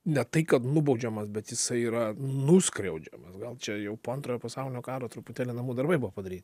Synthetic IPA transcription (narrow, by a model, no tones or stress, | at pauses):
nʲɛt̪ɐɪkɐt̪nʊbɐʊd͡ʒʲɛmɐsbʲɛt̪jɪsɐɪiːɾɐnʊsʲkɾʲɛʊd͡ʒʲɛ̰mɐsɡɐlˠt͡ʃʲɛjɛʊpoːɐnt̪ɾoːjoːpɐsɐʊlʲɪnʲoːkɑːɾoːt̪ɾʊpʊt̪ʲæːlʲɪnɐmuːd̪ɐɾbɐɪbʊʋopɐd̪ɐɾʲiːt̪ɪ